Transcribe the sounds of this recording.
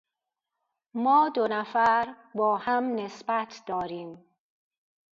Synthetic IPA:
mɒːd̪onæfæɾ | bɒːhæmnesbæt̪ʰd̪̥ɒːɾiːm

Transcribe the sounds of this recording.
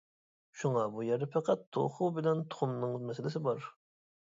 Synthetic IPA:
ʃuŋɑbujɛɾd̪ɛpʰɛqæt̪ːʰo̰χubɪlɛnt̪ʰʊ̥χʊmnɨŋmɛsɪlɪsɪbɑɾ

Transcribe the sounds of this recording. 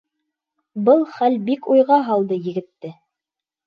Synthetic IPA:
bɤlˠχælbikujʁɑɦɑlˠd̪ɤjɘ̆ɡɘ̆t̪ːɘ

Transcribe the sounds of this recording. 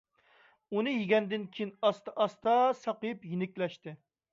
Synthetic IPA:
unɨjiɡʲɛnd̪ɪnkʲʰijinɑst̪ɑʔɑst̪ɑsɑqɨpjinɪkʲlɛʃt̪ɪ

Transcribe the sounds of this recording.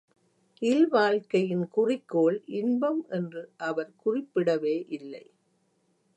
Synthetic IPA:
ʔɪlʋaːɻkɐjɪnkʊrɪkːoːɭʔɪnbɐmʔɛndrɯʔɐʋɐɾkʊrɪpːɪɽɐʋeːʔɪlːɐ̰ɪ

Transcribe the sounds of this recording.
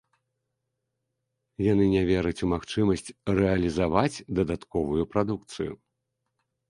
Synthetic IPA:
janɨnʲavʲɛɾɐt͡sʲumaxt͡ʂɨmɐsʲt͡sʲrɛɐlʲizavat͡sʲd̪ɐd̪at̪kɔvujupɾad̪ukt̪sɨjṵ

